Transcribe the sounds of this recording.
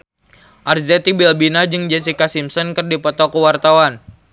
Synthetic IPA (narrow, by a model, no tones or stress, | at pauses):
ʔarzɛt̪ibilbinad͡ʒɨŋd͡ʒɛs̬ikasimsɔnkɨrdipɔt̪ɔkəwart̪awan